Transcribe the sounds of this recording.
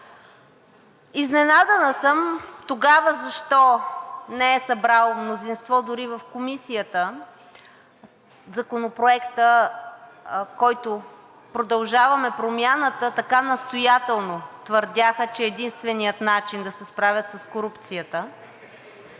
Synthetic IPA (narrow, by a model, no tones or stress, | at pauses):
iznɛnad̪ənəsəmt̪oɡavəzɐʃt̪ɔnɛɛsɐbɾalˠmnozinst̪vɔd̪ʊɾivəfkomisijət̪ə | zɐkonopɾoɛkt̪ə | kɔjt̪o | pɾod̪ɐlˠʒavɐmɛpɾomʲjanət̪ət̪ɐkanɐst̪ojat̪ɛlˠnot̪vəɾd̪ʲjaxət͡ʃɛːd̪inst̪vɛnijət̪nat͡ʃind̪ɐsɛspɾavʲət̪sɐskoɾupt̪sijət̪ə